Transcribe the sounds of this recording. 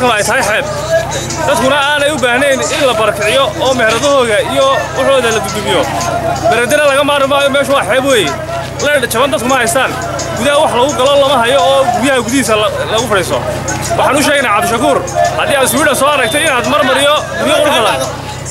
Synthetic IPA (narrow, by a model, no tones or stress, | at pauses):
kʰɐnɐɛjt̪ʰɐɦɛjħɛːb̚ | d̪̥ɐd̪̚kʰʊnɐaːnɛjʊbaːhnɛːnɪnlɐbɐɾɐkʰɪʕɪjɔɔːmɛhɾɐðɔɦɔːɣɐijɔwɑħɔːðɐlɐɡʊd̪ʊmɪjɔ | d̪ɐɾɛːd̪ɛnɐlɐɣɐmaːɾɪmaːjɔmɛːʃʊwɑːħɛːbweːjɛ | lɛɐt͡ʃʰɐβɐnd̪ɐd̪̚kʰʊmɐhɐjst̪ʰaːn | ɡuðɐɦɐwɑħlɐɔːɣʊɡɐlɔlɐmɐɦɐjɔːɡʊðɐɦɐɡuðiiːsɐlɐɣʊfɐɽiːsɔ̰wɑħɑːnʊʃɛːɣɛjnaʕɑbd̪ʊʃɐkʰuːrhɐdiːaːd̪sʊɪːɽɐnsɔːɐɾɐɡt̪ʰɛɪnaːd̪mɐrmɐɾɪjɔɡuðjɐʊɾɡɐlaː